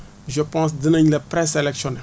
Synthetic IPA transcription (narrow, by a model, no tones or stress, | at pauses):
ʒəpɑ̃s̬d̪ənɛ̃ɲlɛpɾɛselɛksjɔ̃nɛ